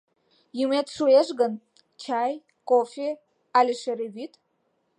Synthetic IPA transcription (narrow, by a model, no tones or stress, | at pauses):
jimetʰʂueʐɡɐn | t͡ʃʰaj | kʼofe | alʲiʂerevitʰʼ